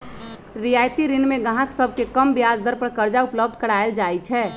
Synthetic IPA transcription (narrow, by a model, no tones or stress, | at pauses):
ɾijajt̪iɾinmẽɡəɦãksəb̚ʱkekəmbijad͡ʒd̪əɾpəɾkəɾd͡ʒaupləb̚d̪ʱkəɽaeld͡ʒajt͡ʃʰɛː